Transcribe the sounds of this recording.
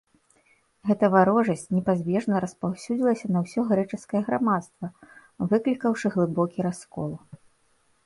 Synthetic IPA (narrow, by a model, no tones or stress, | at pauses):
ɣɛt̪ɐvaɾɔʐɐsʲt͡sʲnʲɛpazʲbʲɛʐnɐɾɐspawsʲud͡zʲilˠɐsʲɐnɐwsʲɔɣɾɛt͡ʂɨskɐjɛɣɾamat̪st̪vɐ | vɨklʲikɐwʂɨɣlˠɨbɔkʲiɾaskɔlˠ